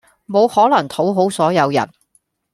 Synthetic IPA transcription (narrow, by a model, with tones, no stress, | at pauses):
mo˨˧whɔː˨˥lɐ˨˩ŋt̪ʰo˨˥wɦo˨˥wsɔː˨˥jɐ˨˧wjɐ̰˨˩n